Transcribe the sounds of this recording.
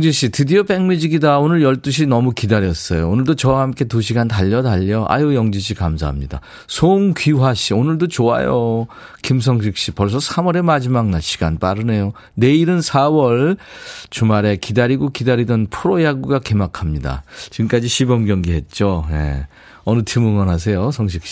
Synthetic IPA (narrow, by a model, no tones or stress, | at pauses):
ŋd͡ʑiɕ͈ʰitɯdiopeŋmid͡ʑiɡidaonɯɭjʌɭt͈uɕ̬ʰinʌmukidaɾjʌs͈ʌjoonɯɭdot͡ɕʌwahamk͈e̞tuɕ̬ʰiɡantaʎːʌdaʎːʌʔa̰jojʌŋd͡ʑiɕ̬ʰikamsʰa̰ɦamɲida̰ | sʰoŋkɥiɦaɕionɯɭdot͡ɕoa̰jo | kims̬ʰʌŋɕ̬ʰik̚ɕ͈ipʌɭs̬͈ʰʌsʰamʌɾe̞mad͡ʑimaŋnaɭɕʰi̥ɡanp͈aɾɯne̞jo | ne̞iɾɯnsʰawʌɭt͡ɕumaɾe̞kidaɾiɡokidaɾidʌnpʰuɾojaɡuɡake̞makʰamɲida̰t͡ɕiɡmk͈ad͡ʑiɕʰibʌmɡjʌŋɡiɦe̞t̚t͡ɕ͈ojḛ | ʌnɯtʰimɯŋʌnɦas̬ʰe̞josʰʌŋɕ̬ʰik̚ɕ͈i̥